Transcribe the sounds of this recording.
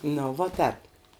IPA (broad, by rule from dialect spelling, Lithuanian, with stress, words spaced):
ˈnʊ ʋoː ˈtʲɛːp